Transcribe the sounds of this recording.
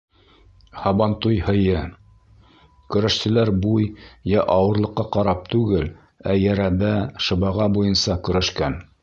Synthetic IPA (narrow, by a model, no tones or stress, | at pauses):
hɑβɑnt̪ujhɤ̆jɤ | kɵ̆ɾæʃsɘ̆læɾbujjæʔɑwɤ̆ɾlˠɤ̆qːɑqɑɾɑp̚t̪ʉɡɘl | æjæɾæbæʃɤ̆βɑʁɑbujɤnsɑkɵ̆ɾæʃkæn